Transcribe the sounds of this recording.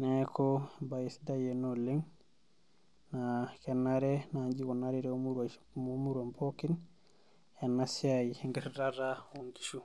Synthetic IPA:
nɛkɔbajisdajɛnolːiŋ | nakɛnːaɾɛnaɲd͡ʒikɔnaɾiɾɛmuɾ | umuɾompʰokin | ɛnːasiajiŋɡɛɾdarawoŋki̥ʃu

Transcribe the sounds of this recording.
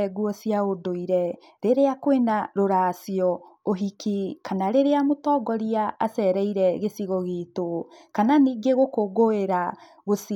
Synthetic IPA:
ɛɡuɔsiaodoiɾɛ | ɾeɾeakwenaɾoɾasiɔoɦikikanaɾeɾeamotɔːɡɔɾiaʔasɛɾɛiɾɛɣesiɣɔɣetokananiɡeɣokoɡoeɾa | ɣos

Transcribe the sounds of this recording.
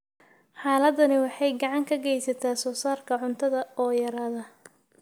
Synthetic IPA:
ħɑːlɐd̪ɐnɪwɑħɑjɡɑʕɑŋkʰɐɡɛjsɐt̪ʰaːsɔːsaːrkʰɐʕʊnt̪ʰɐðɐɔːjɐɾaːðɐ

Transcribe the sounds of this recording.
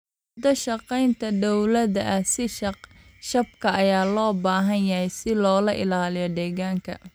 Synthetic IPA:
mʊd̪ɐʃɑqɛjnt̪ʰɐd̪ɔwlɐdɐʔɐsɪ | ʃɐb̚kʰɐɐjaːlɔːbaːɦɐnjɐhɛjsɪlɔːlɐʔɪlaːlɪjɔd̪ɛːɣaːŋkʰɐ̰

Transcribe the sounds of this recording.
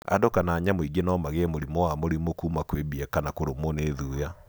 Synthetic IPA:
a̰dokanaːɲamoiɡenɔmaɣeɛmoɾimɔwamoɾimokuːmakwebiɛkanakoɾomoneðuja

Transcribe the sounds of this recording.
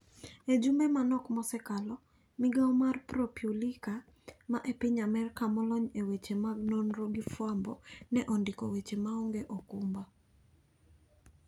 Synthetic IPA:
ed͡ʒumɛmanɔkmɔsɛkalɔ | mɪɡawmarpɾopjulika | maʔepɪɲamɛrkamɔlɔɲewet͡ʃemaɡnonɾoɡifwambɔ̰nɛʔɔndɪkɔwet͡ʃemaɔŋɡeʔɔkumba

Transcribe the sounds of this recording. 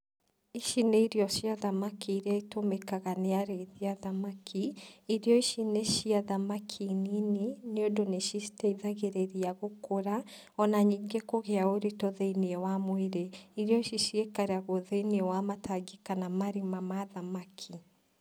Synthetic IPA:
iʃineiɾiɔʃiaðamakiiɾeaitomekaɣaneaɾeiðiaðamakʰiiɾejɔiʃineʃiaðamakʰininineodoneʃisi̥teiðaɣeɾeɾiaɣokoɾa | ɔnaɲiːŋɡekoɣeaoɾitɔðeiniɛwamweɾeiɾjɔiʃiʃiekaɾeaɣoðeiniɛwamataɡikanamaɾimamaðamakʰi

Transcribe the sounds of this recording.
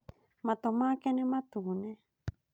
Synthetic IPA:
mat̪omakenemat̪une

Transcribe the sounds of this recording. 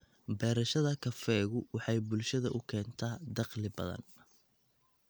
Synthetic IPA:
bɛːɾɐʃɐðɐkʰɐfɛːɣʊwɑħɑjbʊlʃɐðɐʔʊkʰɛːnt̪ʰaːd̪ɑqlɪbɐ̰ðɐ̰n

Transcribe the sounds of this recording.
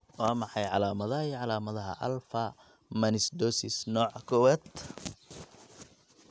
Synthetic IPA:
waːmɑħɑjʕɑlaːmɐðɐiːʕɑlaːmɐðɐɦɐ̰ʔɐ̰lfɐ | mɐnɪsd̪ɔːsɪsnɔːʕkʰɔwɛt̪

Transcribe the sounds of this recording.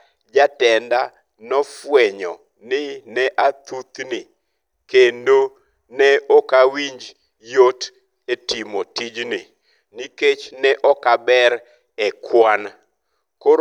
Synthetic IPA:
d͡ʒatɛnda | nɔfwɛɲɔ | nɪnɛʔat̪ut̪nɪ | kendo | nɛɔkawiɲd͡ʒ | jot | etimotid͡ʒnɪ | niket͡ʃnɛʔɔkabɛɾ | ɛkʰwan | ko

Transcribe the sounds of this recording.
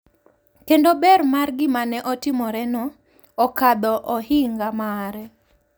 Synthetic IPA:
kendobɛrmarɡɪmanɛʔɔtɪmɔɾɛnɔː | kad̪ɔʔɔhɪŋɡamaɾɛ

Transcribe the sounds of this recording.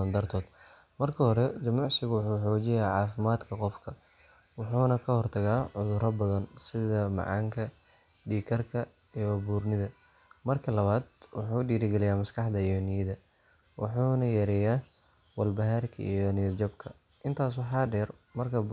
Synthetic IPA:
ɐnd̪ɐrt̪ʰɔːd̪ | mɐrkʰɐhɔɾɛd͡ʒɐmʊʕsɪɣʊwʊħuːħɔːt͡ʃɪjaːʕɑːfɪmaːd̪kʰɐqɔfkʰɐ | wʊħuːnɐkʰɐhɔrt̪ʰɐɣaːʕʊðʊɾɐbɐðɐnsɪðɐmɑ̰ʕɑ̰ːŋkʰɐ | ɖiːkʰɐrkʰɐ | ibuːrnɪðɐ | mɐrkʰɐlɐβaːd̪wɑħuːɖiːɾɪɡɛlɪjaːmɐskʰɑħd̪ɐijɔnɪjɪðɐ | wʔɑ̰ħuːnɐjɐɾɛjaː | wɐlbɐɦaːrkʰɐ̰ʔḭjɔnɪjɐd͡ʒɐbkʰɐ | ʔɪnt̪ʰaːs̬wɑħɑːɖɛːr | mɐrkʰɐ

